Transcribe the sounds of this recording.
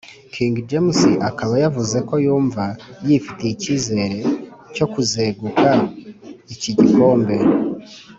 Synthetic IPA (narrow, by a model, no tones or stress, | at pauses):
kʰiːŋɡid͡ʒemusiʔakaβajavuze̞ko̞juːɱvajifite̞iciːze̞ːɾe̞co̞kuze̞ːɡuka | iciɟiko̞ːmbe̞